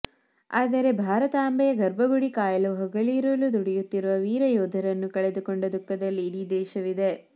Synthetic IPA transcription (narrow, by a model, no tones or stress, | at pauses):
aːd̪ɐɾe̞bʱaːɾɐt̪aːmbɛjɐɡɐɾbɐɡuɽikaːjɐloːɦɐɡɐɭiːɾɐlud̪uɽɛjut̪ːiɾuʋɐʋiːɾɐjɔːd̪ʱɐɾɐnːukɐɭed̪ukoɳɖɐd̪ukːɐd̪ɐlːiːɽid̪ɛːʃɐʋid̪e̞